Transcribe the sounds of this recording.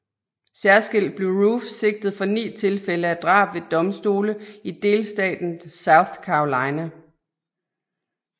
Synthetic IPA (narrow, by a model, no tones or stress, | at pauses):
sæɐsɡ̥e̝l̰d̥̚b̥le̝ʊʁufse̝ɡ̥̚d̥ð̩ˠfɒ̽nḭːt͡sʰe̝lfeləæd̥ʁɑ̰̈ːb̥ʋe̝d̥ɒ̽msd̥o̝ːləid̥e̝ːlsd̥ɛ̰ːd̥n̩sɑ̈ʊθkʰɑ̈olɑ̈ɪnæ